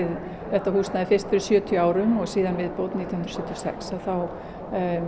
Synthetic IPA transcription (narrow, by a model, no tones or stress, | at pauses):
ɪð | θɛht̪ahuːsnaðɪfɪr̥st̪fɪɾɪsjœːt̪ʰjʏaːwɾʏmɔɣsiːðanvɪðpoːwt̪nit̪jhʏnɾsɛpt̪jɔsɛ̰ksaðθaw